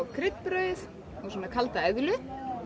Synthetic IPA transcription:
kʰɾɪt̪pɾœːɥθ | ɔɣsɔːnakʰalt̪aɛðlʏ

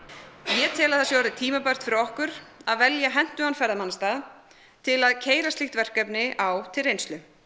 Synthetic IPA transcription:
jɛt̪ʰɛːlaðθasjaaɾðɪt̪ʰiːmapœr̥t̪fɪɾɔhkʏɾaðvɛljaɦɛn̥t̪ʏhanfɛɾðamanːst̪að | t̪ʰɪlaðcʰeːjɾast̪iht̪vɛr̥kɛpnɪʔawt̪ʰɪlrejnst̪lʏ

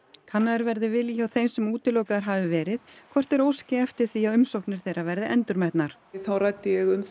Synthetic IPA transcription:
kʰanːaðɛɾvɛɾðɪvɪljawθejmsɛmuːt̪ɪloːwkaðaɾ̥ɦaːvɪvɛːɾɪðkʰvɔr̥t̪ɛɾowscɪɛft̪ɪɾ̥θiaʏmsowhknɪɾ̥θejɾavɛɾðɪʔɛnt̪ʏɾmɛht̪naɾ̥ | θawrajt̪ːɪjɛɣʏm

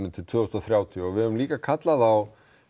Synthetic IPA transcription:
mɪnt̪ʰɪlt̪ʰv̥œːɔst̪aθɾjaːwt̪ʰiʏɔɣvɪðɛvʏmliːkakʰat̪laðaw

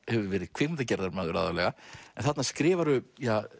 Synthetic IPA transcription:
hɛvʏɾvɛːɾɪð̥kʰv̥ɪt̪acɛɾðaɾmaːðʏɾaːðalɛɣaɛnθat̪naskɾɪːvaɾʏja

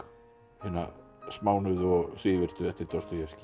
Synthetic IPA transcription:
hɪnːa̰ | smaːwnʏðɔɣsiːvɪɾ̥t̪ʏɛft̪ɪɾt̪owst̪ʏɾjɛscɪ

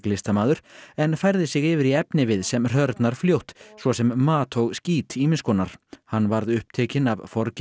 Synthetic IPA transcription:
lɪst̪amaːðʏɾ̥ɛnfajɾðɪsɪɣɪvɪɾiɛpnɪvɪðsɛmr̥œɾt̪naɾ̥fljowht̪svɔsɛmːaːt̪ʰɔwɣsciːt̪imɪnskʰɔːnaɾ̥hanːvaɾðʏhp̚t̪ʰeːcɪnavfɔɾcɪ

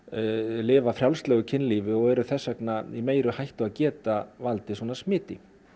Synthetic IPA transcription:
lɪːvafɾjawlst̪lɛːɣʏcʰɪnlivɪɔɣɛɾʏθɛsːœknaimeːjɾʏhajht̪ʏaðcɛːt̪avalt̪ɪswɔːnasmɪːt̪ɪ

